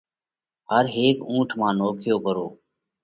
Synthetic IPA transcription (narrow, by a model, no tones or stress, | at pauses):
həɾɦeːkũːʈʰmãːnoːkʰɪjoːkəɾoː